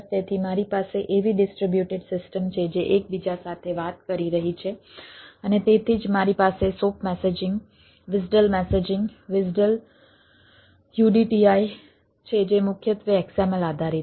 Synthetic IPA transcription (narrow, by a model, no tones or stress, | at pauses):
t̪et̪ʰimaɾipaseʔeʋiɖɪsʈɾibjuʈeɖsɪsʈəmt͡ʃʰed͡ʒeʔek̚bid͡ʒasat̪ʰeʋat̪̚kəɾiɾəɦit͡ʃʰeənet̪et̪ʰid͡ʒmaɾipasesopmɛsed͡ʒɪŋɡ | ʋɪd͡ʒɖəlmɛsed͡ʒɪ̃ŋɡʋɪd͡ʒɖəl | kjuɖiʈiai | t͡ʃʰed͡ʒemʊkʰjət̪ʋəɛksaməlad̪ʱaɾi